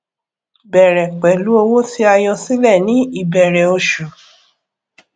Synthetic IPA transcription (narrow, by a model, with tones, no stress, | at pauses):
bɛ˨ɾɛ˨k͡pɛ˨lu˨˦o˧wo˦ti˦a˧jɔ̃˧si˦lɛ˦˨nĩ˨˦i˦˨bɛ˨ɾɛ˨o˧ʃu˨